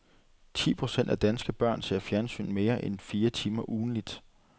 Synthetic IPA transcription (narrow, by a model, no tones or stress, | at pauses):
t͡sʰḭːpʰʁo̝sen̰d̥æd̥ænsɡ̥əb̥ɶɐ̰nse̝ɐ̰fjæɐnsy̰ːnme̝ːɐʔenfiːɐt͡sʰiːmɐʔuːn̩lid̥